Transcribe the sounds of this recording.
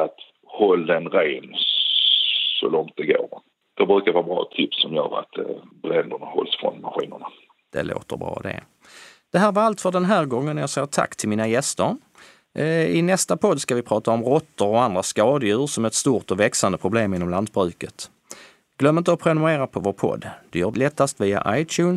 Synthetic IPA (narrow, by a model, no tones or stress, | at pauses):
at̪ | hɔlːd̪ɛnɾeːn | sɔ̰lɔŋt̪̚d̪ɛɡo̰ːɾ | d̪̥ɛbɾʉ̟ːkaɾvɑːbɾɑ̰ːt̪ʰɪpsːɔmjœːɾa̰t̪bɾɛnd̪əɳahɔ̰lsfɾɔ̰nmaɧḭːnəɳa | d̪̥ɛ̰lo̰ːt̪ə̰ɾbɾɑ̰ːd̪ɛ̰ | d̪̥ɛɦæːɾvaɾalt̪fœɖɛnɦæːɾɡɔŋːənjɑsɛjːəʈ̪ʰa̰kːt̪ʰɪlmiːnajɛst̪əɾ | ɪnɛst̪apʰɔd̪skavɪpʰɾɑːt̪aɔmɾɔt̪ːəɾɔand̪ɾaskɑːd̪əjʉ̟ːɾʂɔmæɾɛt̪st̪uːɾʈ̪ɔvɛksand̪əpʰɾʊbleːmɪnːɔmland̪̚bɾʉ̟ːkət̪ | ɡ̥lœmːɪnt̪ɔpʰɾɛnʊeːɾapʰɔvoːɾpʰɔ̰d̪ːd̪ɵjœːlɛt̪ːast̪viːa̰ʔajt̪ʰʉːn